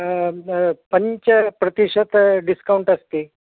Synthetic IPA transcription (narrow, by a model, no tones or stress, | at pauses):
pəɲt͡ɕəpɾət̪iʂət̪ɖiskawuɳʈəst̪e